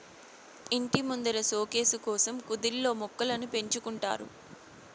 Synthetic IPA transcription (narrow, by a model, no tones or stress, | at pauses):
iɳʈimund̪ɐɾɐso̞ːke̞ːsukɔːsɐmkud̪ilːo̞ːmɔkːɐlɐnupe̞ɲt͡ʃukuɳʈa̰ːɾṵ